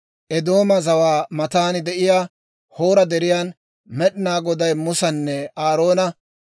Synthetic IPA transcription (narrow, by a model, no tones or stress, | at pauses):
ʔɛd̪o̞ːmɐzɐwaːmɐt̪aːnɪd̪ɛʔɪjaː | ho̞ːɾɐd̪ɛɾɪjaːn | mɛɗɪnaːɡɔd̪ɐjmʊsɐnːɛaːɾo̞ːnɐ